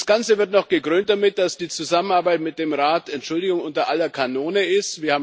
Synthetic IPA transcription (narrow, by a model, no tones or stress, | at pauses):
sɡ̥ant͡səvɪɐtnɔχɡ̥əɡʁøːnt̚d̥amɪt̚d̥asd̥iːt͡suzamənaɐbaɪtmɪt̚d̥eːmʁaːtɛntʃʊldɪɡʊŋʔʊntɐʔalɐkʰanoːnəɪstv̥iːɐhaːbm